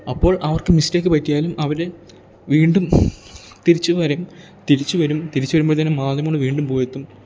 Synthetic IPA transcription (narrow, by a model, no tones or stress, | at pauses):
ɐpːo̞ːɭʔɐʋɐrkɨmisteːkːɨpɐtːijaːlumʔɐʋɐɾe | ʋiːɳɖum | t̪iɾit͡ɕːɨʋɐɾum | t̪iɾit͡ɕːuʋɐɾumt̪iɾit͡ɕːuʋɐɾumboːɭt̪ɐnːemaːd̪jɐmoɳɖɨʋiːɳɖumpo̞ːjet̪ːum